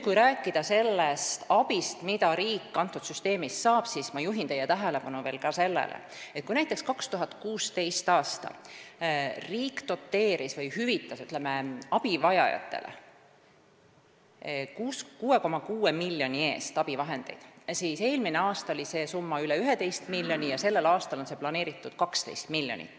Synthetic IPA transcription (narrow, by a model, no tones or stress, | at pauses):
kujɾæːkːˑid̪̥ɑse̞lːest̪ɑbist̪mid̪ɑɾiːkːɑnt̪ːˑud̪syst̪e̞ːmissɑːb̥sismɑjuɦint̪e̞jːɛt̪æɦele̞pɑnuve̞ːlkɑse̞lːḛlʔḛ | et̪̚kujnæjt̪ːˑe̞kskɑkst̪uɦɑt̪kuːst̪e̞jst̪ɑːst̪ɑ̰ | riːkt̪o̞t̪ːe̞ːɾisvɤjhyvit̪ːˑɑsyt̪ːˑleme̞ɑb̥ivɑjɑ̰jɑ̰t̪ːˑe̞̰lḛ | kuːskuːe̞ko̞mɑkuːe̞milːjo̞nʲie̞ːst̪ɑb̥ivɑɦe̞nd̪̥e̞̰jd̪̥siːse̞ːlmineɑːst̪ɑolʲise̞sumːɑyleyɦed̪e̞jst̪milːjo̞nʲijɑse̞lːe̞lɑːst̪ɑlo̞nse̞plɑne̞ːɾit̪ːˑud̪̥kɑkst̪e̞̰jst̪milːjo̞nḭ